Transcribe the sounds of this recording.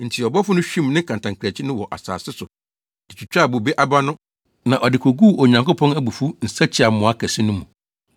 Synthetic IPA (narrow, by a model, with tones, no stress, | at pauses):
n̩˨tʰi˨ɔ˨bɔ˦fʊ˦nʊ̃˦ɕᶣĩ˦mnɪ̃˦kʰã˨ntã˨ŋkʰæ˨t͡ɕʰɪ˦nʊ̃˦wɔ˨ʔa̰˨sa̰ː˨sɪ˦sʊ˨ | ɛ˨t͡ɕʰᶣi˨t͡ɕᶣa˦˨bʊ˨be˦ʔa˦ba˦nʊ̃˦ | nã˨ʔɔ˨dɪ˨kʰo˨ɡuː˦˨ɔ˨ɲã˨ŋko˦pʰɔ̃˦næ˦bu˨fu˦n̩˨sa˦t͡ɕʰɪ˦a˨mʊ̃˨a˦kʰæ˨si˦nʊ̃˦mũ˨